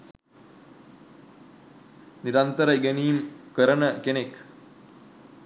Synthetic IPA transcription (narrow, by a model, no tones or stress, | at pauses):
niɾant̪əɾəiɡeniːmkəɾənəkenek